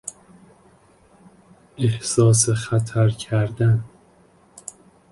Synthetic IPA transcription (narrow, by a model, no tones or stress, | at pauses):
ehsɒːs̬exæt̪ʰæɾcʰæɾd̪æn